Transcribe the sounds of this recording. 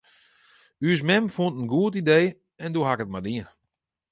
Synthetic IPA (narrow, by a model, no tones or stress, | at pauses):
ys̬mɛmfuntən̩ɡuətideː | ɛndoɦakət̚madiən